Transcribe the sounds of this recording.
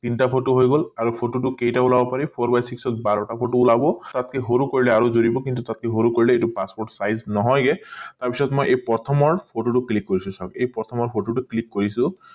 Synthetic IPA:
t̪inʈapʰoʈoɦojɡolaɾupʰoʈoʈukejʈaulabɔpaɾipʰoɾbajsiksɔt̪baɾɔʈapʰoʈoːlabɔt̪at̪̚kʰeɦoɾukoɹileaɾozoɾibɔkint̪ut̪at̪̚kʰeɦoɾukoɹileeʈupaspoɾʈsajznɔɦɔjɡet̪aɾpisɔt̪mɔjʔejpɔt̪ʰɔmɔɹpʰoʈoʈuklikːɔɾisũsakejpɔt̪ʰɔmɔɹpʰoʈoʈuklikːoɾisũ

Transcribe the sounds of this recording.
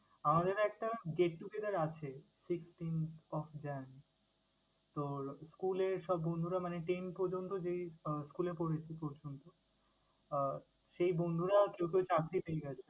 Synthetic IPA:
amad̪eɾɛk̚ʈaɡeʈːuked̪aɾat͡ɕʰesiksʈintɔfd͡ʑan | t̪oskuleɾʃɔbːond̪ʱuɾamaneʈenpɔɾd͡ʑont̪od͡ʑejskulepoɾet͡ɕʰepɔɾd͡ʑont̪o | ʃejbond̪ʱuɾakewk̬ewt͡ɕakɾipejɡɛt͡ɕʰe

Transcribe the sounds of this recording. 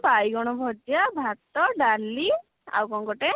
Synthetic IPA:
pajɡɔɽ̃ɔbʱɔd͡ʒjabʱat̪ɔɖaɾlːi | a̰wkɔŋkɔʈe

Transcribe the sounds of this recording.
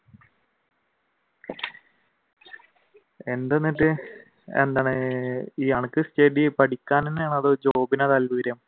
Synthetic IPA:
e̞nd̪e̞nːiʈːɨ | ḛnd̪aːɳɨiːɐɳɨkːɨsteːɖipɐʈikʲːaːnenjaːɳɐðɨd͡ʑo̞ːbinɐt̪ɐlʋɨːɾjɐm

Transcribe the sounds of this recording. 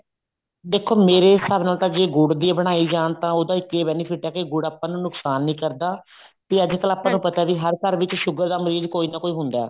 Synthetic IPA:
d̪eːkʰːoːmeːɾeːsaːbnaːlt̪ãːd͡ʒeːɡʊɽd̪iːbəɽ̃aːiːd͡ʒaːnt̪ãːoːd̪aːɪkːeːbɛːniːpʰɪʈɛːkeɡʊɽaːpãːnũːnʊksaːnːĩːkəɾd̪aː | kiːəd͡ʒk̪əlaːpːãːnũːpət̪aːʋiɦəɾkəɾʋɪt͡ʃʃʊɡəɾd̪aːməɾiːd̪koːiːnãːkoːiːɦʊnd̪aːɛ̰ː

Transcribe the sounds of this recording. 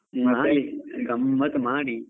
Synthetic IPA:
maːliɡɐmːɐt̪maːɽi

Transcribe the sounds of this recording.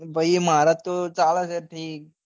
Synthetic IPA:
bəimaɾat̪ot͡salasəɾʈʰiːk̚

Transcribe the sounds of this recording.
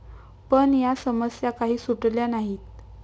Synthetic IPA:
pəɳjasəməsjakaɦiːsuʈljanaɦiːt̪̚

